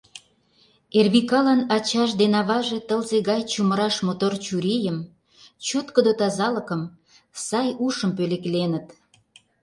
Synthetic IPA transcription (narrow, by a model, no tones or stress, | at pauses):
erβikɑlɑnɑt͡ɕɑʃ̬d̪enɑβɑʒet̪əlzeɣɑjt͡ɕuməɾɑʃmot̪ort͡ɕuɾijəm | t͡ɕot̪kod̪ot̪ɑzɑləkəm | sɑjuʃəmpøleklenət̪